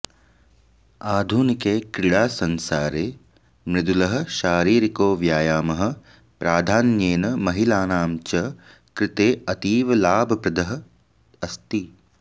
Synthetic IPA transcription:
aːd̪ʱunikeːkɾɪɭaːsɐnsaːɾeː | mɾɪd̪ulɐɦɐ̆ʃaːɾiːɾikoːʋjaːjaːmɐɦɐ̆ | pɾaːd̪ʱaːnjeːnɐmɐɦilaːnaːmt͡ʃɐ | kɾɪt̪eːɐt̪iːʋɐlaːbʱɐpɾɐd̪ɐɦɐ̆ | ɐst̪i

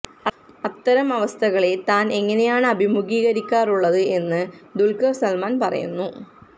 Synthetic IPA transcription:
ɐt̪ːɐɾɐmɐʋɐst̪ʰɐɣɐɭet̪aːne̞ŋːɐne̞jaːɳɨɐbʱimuɣiːɣɐɾikʲːaːruɭːɐðɨe̞nːɨd̪ulkɐrsɐlmaːnpɐrɐ̰jṵnːu

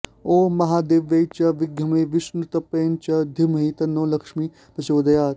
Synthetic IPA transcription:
oːmɐɦaːd̪eːʋːɐjt͡ʃɐʋɪɡjɐmeʋɪʃnut̪ɐpeːnt͡ʃɐd̪ʱimɐɦit̪ɐnːoːlɐkʂmi | pɐt͡ʃoːd̪ɐjaːt̪

